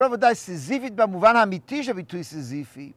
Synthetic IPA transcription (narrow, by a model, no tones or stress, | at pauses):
ɔvədaɪsizifit̚baɪmuvanamitʰiʒəbitʰwĩsizifi